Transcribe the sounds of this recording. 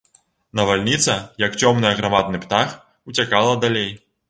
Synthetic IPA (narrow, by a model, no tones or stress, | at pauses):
nɐvalʲnʲit̪sɐjɐkt͡sʲɔmnɨjɐɣɾamad̪nɨpt̪ax | ut͡sʲakalˠɐd̪alʲej